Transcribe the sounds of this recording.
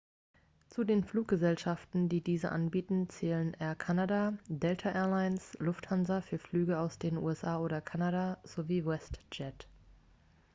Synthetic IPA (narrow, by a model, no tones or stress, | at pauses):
t͡sudeːnfluːk̚ɡ̥əzɛlʃaftn̩diːdiːzəʔa̰nbiːtn̩t͡sɛːlənʔɛːɐkʰanadadɛltʰaʔɛːɐlaɪənslʊfthanzɐfyːɐflyːɡəaʊsd̥eːnʔṵːɛsʔaːoːɾɐkʰanadaz̥oviːwɛstd͡ʒɛt